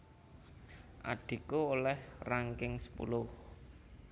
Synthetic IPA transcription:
ʔa̰ɖ̥i̤kuolɛhraŋkɪŋsə̥pṵlʊh

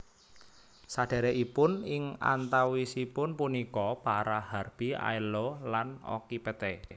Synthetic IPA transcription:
saɖ̥a̤ɾeʔipʊnɪŋa̰nt̪awisipʊnpunikɔpaɾaharb̥i̤a̰ilolano̰kipet̪e

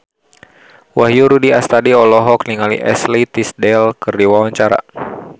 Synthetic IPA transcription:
waɦjuɾudiast̪adiɔlɔɦɔk̚niŋalḭʔɛ̰slit̪isdɛlkɨrdiwawaɲt͡ʃaɾa̰

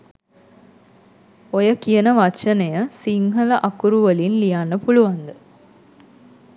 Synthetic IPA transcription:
ojəkijənəʋat͡ʃənejəsiŋɦələʔakuɾuʋəlinlijanːəpuluʋand̪ə

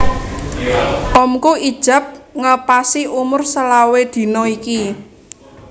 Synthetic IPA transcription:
ʔɔmkuid̥ʒ̥ä̤p̚ŋəpasiumʊrsəlawed̪̥i̤nɔiki

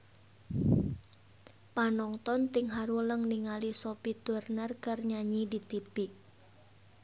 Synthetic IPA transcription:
panɔŋt̪ɔnt̪ɪŋɦaɾuləŋniŋalisopit̪ərnərkərɲaɲidit̪ib̥i

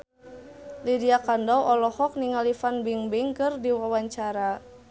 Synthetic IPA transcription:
lidiakandɔwʔɔlɔhɔk̚niŋalifanbiŋbiŋkɨrdiwawaɲt͡ʃaɾa

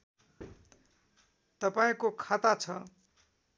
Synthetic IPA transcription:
t̪ʌpaĩkokʰat̪at͡sʰʌ

